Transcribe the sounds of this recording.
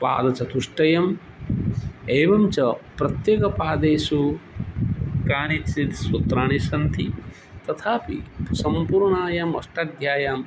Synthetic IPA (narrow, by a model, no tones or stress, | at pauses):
pa̰ːd̪ɐt͡ʃɐt̪uʂʈɐjɐm | eːʋɐmt͡ʃɐpɾɐt̪jeːkɐpaːd̪eːsu | kaːnit̪sit̪swɐt̪ɾaːnisɐnt̪ʰi | t̪ɐt̪ʰaːpḭsɐmpuːɾɳaːjaːmɐ̰ʂʈaːd̪ʱjaːjaːm